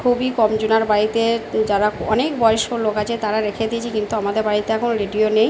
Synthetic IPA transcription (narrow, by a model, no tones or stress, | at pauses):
kʰubikɔmd͡ʑunaɾbaɾit̪ed͡ʑaɾaɔnekbɔeeʃolokat͡ɕʰet̪aɾaɾekʰed̪it͡ɕʰikint̪uamad̪eɾbaɾit̪eɛkʰonoɾeɖionej